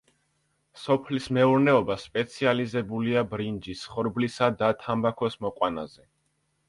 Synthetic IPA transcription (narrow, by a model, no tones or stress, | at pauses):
sɔpʰlismɛuɾnɛɔbaspʼɛt̪sʰializɛbuliabɾind͡ʒisχɔɾblisad̪at̪ʰambakʰɔsmɔqʼwanazɛ